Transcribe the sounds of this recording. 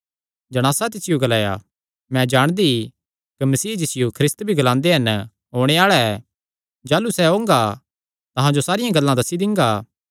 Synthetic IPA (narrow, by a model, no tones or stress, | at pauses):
d͡ʒɐɽ̃aːsat̪̬ɪsɪjoɡɐlaːja̰ | mɛ̃d͡ʒaːɽ̃d̪i | kimɐsiːd͡ʒɪsɪjokʰɾɪst̪bʱiɡɐlãːnd̪eɦɐn | ɦoːɽ̃eaːɭɛɛ | d͡ʒaːlusɛɦõːŋɡa | t̪ɐɦãd͡ʒosaːɾɪjãɡɐlːãd̪ɐsid̪ɪ̃ŋɡaː